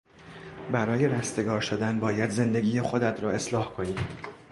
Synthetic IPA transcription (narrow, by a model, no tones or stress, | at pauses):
bæɾɒːje̞ɾæst̪e̞ɡɒːɾʃod̪ænbɒːjæd̪ze̞nd̪e̞ɡʲiːjexo̞d̪æt̪ʰɾɒːe̞slɒːhkʰo̞niːd̪̥